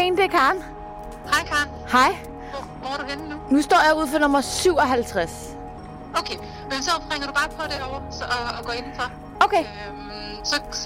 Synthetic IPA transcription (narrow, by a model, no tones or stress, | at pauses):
end̥e̝kʰɑ̈ːn | hɑ̈ɪkʰɑ̈ːn | hɑ̈ɪ̰ | ʋɒɐɾuɡennunusd̥ɒ̰ːjäɪuð̞̰ˠfɒnɔ̽mɐsyʊ̰ɒ̽ɦælt͡sʰʁas | oʊkʰe | mensɒfʁɛŋɐɾ̥ub̥ɑ̈ːpʰɒ̽ɾ̥eɒʊɐsɒːɡ̥ɔːe̝nn̩fɑ | oʊkʰe | m | sɒ̽